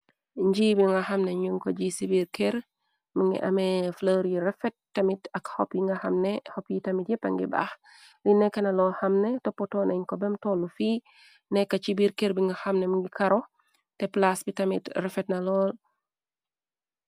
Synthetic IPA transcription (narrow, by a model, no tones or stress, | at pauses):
ɲɟiːbiŋɡaxɐmnɛɲuŋkɔɟisibiɾkeɾ | miŋɡḭʔɐ̰mɛfloɾjiɾɛfɛt̚ːɐmitɐkhɔpjiŋɡɐhɐmnɛhɔpjitɐmitjɛpɐ̰ŋɡḭba̰x | linɛkːɐnɐlɔhɐmnɛtɔpːɔtɔːnʔeɲkɔbɛmtɔlːufiː | nɛkːat͡ʃibiɾkeɾbiŋɡɐxɐmnemiŋɡikaɾɔ | tɛplasbitɐmḭtrɛfɛtnɐlɔːl